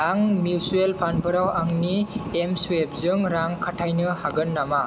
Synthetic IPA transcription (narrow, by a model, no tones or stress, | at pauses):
aŋmiusuelpʰanbɯɾawaŋniemsuep̚zɯŋɾaŋkʰatʰajnɯhaɡɯnːama